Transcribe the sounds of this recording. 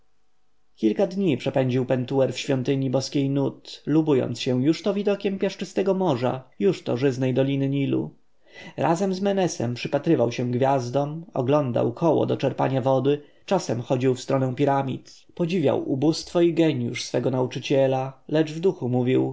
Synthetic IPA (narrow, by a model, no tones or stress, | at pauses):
kʲilkad̪ɲipʂɛpɛɲd͡ʑiwpɛnt̪uɛɾfɕfʲjɔnt̪ɘɲibɔskʲejnut̪lubujɔ̰nt̪sɕɛw̃juʂt̪ɔvʲid̪ɔkʲɛmpʲjaʂt͡ʂɘst̪ɛɡɔmɔʐa̰juʂt̪ɔ̰ʐɘznɛjd̪ɔlʲinɘɲilṵ | ɾazɛmzmɛnɛsɛ̰mpʂɘpat̪ɾɘvawɕɛ̃ɡvʲjazd̪ɔmɔ̰ɡlɔnd̪a̰wkʰɔwɔ̰d̪ɔt͡ʂɛɾpa̰ɲavɔd̪ɘ | t͡ʂasɛmxɔd͡ʑiwfst̪ɾɔnɛ̃w̃pʲiɾamʲḭt̪ | pɔd͡ʑivʲja̰wʔubust̪fɔiɡɛɲjṵʂsfɛɡɔnaut͡ʂɘt͡ɕɛlalɛd͡ʐvd̪uxumuvʲiw